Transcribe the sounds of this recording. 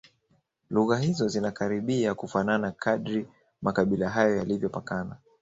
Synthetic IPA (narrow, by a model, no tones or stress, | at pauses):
luɣahizɔzinakaɾiɓiakufananakʰaɗɾi | makaɓilaɦajɔjalivjɔpakana